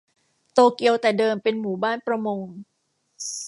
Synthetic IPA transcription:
t̪oː˧ki˧əwt̪ɛː˨˩dɤː˧mpe˧nmuː˩˦baː˥˩npɾa˧mo˧ŋ

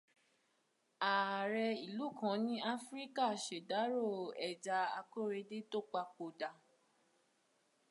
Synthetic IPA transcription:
a˨ɾɛ˧i˨lu˨˦˨kã˨˦nĩ˦a˦fɾi˦ka˦˨ʃe˨da˨˦ɾo˦˨ɛ˨d͡ʒa˧a˧ko˦ɾe˧de˦to˦k͡pa˧k͡po˨da˨

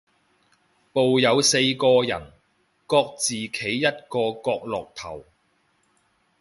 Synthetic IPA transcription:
po˨wjɐ˨˧wse˧jkɔː˧jɐ̰˨˩n | kɔː˧k̚t͡siː˨kʰe˨˥jːɐ˥t̚kɔː˧kɔː˧k̚lɔː˨k̚t̪ʰɐ̰˨˩w

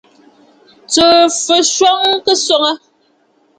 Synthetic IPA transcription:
t͡səː˨fə˨ʃwɔ˦ŋ˦kə˦sɔ˦ŋə˦

